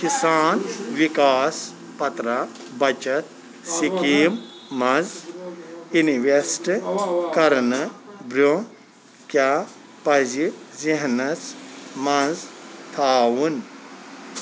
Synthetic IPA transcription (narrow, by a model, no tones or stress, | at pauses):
kisaːnʋikaːs | pɐt̪ɾa | bɐt͡ʃɐt̪̚ | sikiːmːɐz | iniʋesʈɨkɐɾnɨbɾo | kjaː | pɐziziɦnɐt͡smɐzt̪ʰaːwun